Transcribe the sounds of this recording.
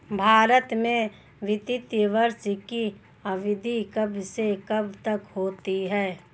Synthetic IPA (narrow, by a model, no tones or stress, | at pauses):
bʱaːɾət̪mẽ | ʋɪt̪ɪt̪jəʋəɾʃki | ɐʋɪd̪ʱikəbʱsekɐbʱt̪əkhoːt̪iɦɛː